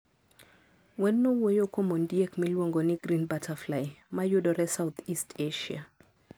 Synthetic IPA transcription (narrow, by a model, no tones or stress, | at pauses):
wɛnːɔwɔjokɔmɔndiɛkmilwɔŋɡɔniɡrinbatʰaflajmajoɗɔɾɛsawt̪ʰistʰeʃia̰